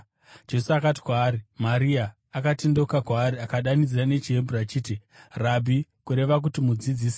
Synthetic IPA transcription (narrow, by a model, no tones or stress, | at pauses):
d͡ʒe̞suakati̥kwaːɾimaɾiaː | katendokakwaːɾiakaɗanid͡zirane̞t͡ʃiɦemburat͡ʃiːtirabʱikuɾe̞ʋak̬utimud͡zid͡ziːsi̥